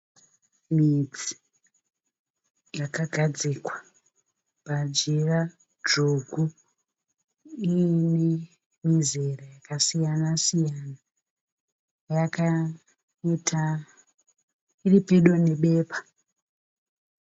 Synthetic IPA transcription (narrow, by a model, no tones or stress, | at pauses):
mid͡zi̥ | jakaɡʱad͡zikwa | pad͡ʒera | d͡ʒoɡʱu | ine | mizerajakasijanasijana | jaka | itʰa | iripeɗone̞ɓe̞ːpḁ